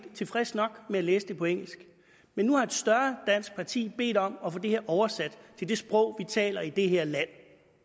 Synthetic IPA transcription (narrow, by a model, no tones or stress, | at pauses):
t͡sʰe̝fʁɛsnɒ̽ɡ̥meæleːsəd̥e̝pʰɒ̽eŋ̰l̩sɡ̥ | menːuhɑ̈e̝d̥sd̥ɶɐd̥æn̰sɡ̥̚pʰɑ̈t͡sʰḭːb̥e̝̰ːd̥ɒ̽mɒ̽fɔ̽d̥e̝heɐʔɒʊɐsæd̥t͡sʰe̝ld̥e̝sb̥ʁɔ̽ʊ̰ʋit͡sʰɛ̰ːlɐid̥e̝ɦeɐ̰læn̰